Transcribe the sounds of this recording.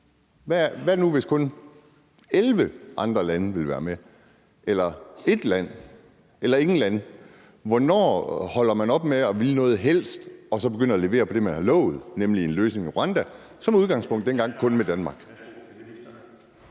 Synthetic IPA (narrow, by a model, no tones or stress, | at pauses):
ʋæʋæɐnuʋe̝skʰɔ̽n | elʋəʔɑ̈nd̥ʁɐlænəʋe̝lʋæːɐme | elɐe̝d̥læn̰ | elɐe̝ŋn̩læn | ʋɒnɒ̰ːhɒ̽l̰ɐmænɒ̽b̥meɒ̽ʋilnɔ̽ːð̞̩ˠɦel̰sd̥ɒ̽sɒ̽b̥eɡ̥ønɐɒle̝ʋe̝̰ːɐpʰɒ̽d̥e̝mænhɑ̈lɔ̰̽ʊð̞̩ˠnemlie̝nløːsne̝ŋiʁo̝ɑnd̥æ | sɒ̽muð̞ˠɡ̥ɑ̈ŋspʰɔ̽ŋ̰d̥ːenɡ̥ɑ̈ŋ̰kʰɔ̽nmed̥ænmɑ̈ɡ̥